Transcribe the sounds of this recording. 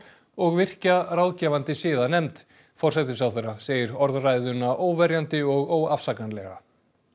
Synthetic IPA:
ɔɣvɪr̥carawðcɛːvant̪ɪsɪːðanɛmt̪ | fɔr̥sɛt̪ɪ̥sawθeːɾːaseːjɪɾɔɾðrajðʏnːaʔoːwvɛɾjant̪ɪɔɣoːwafsaknanlɛɣa̰

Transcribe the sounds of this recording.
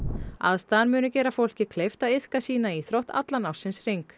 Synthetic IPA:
a̰ðst̪anmʏːnʏcɛːɾafowl̥cɪkʰlejft̪aðɪð̥kasiːnaiθɾɔht̪ʰa̰t̪lanawsːɪnsriŋk

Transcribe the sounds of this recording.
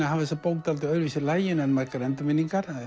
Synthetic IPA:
aɦavɪsapowkt̪alt̪ɪœɾvisɪlajjɪnɛnmaɾkaɾɛnt̪ʏmɪnːiŋkaɾ

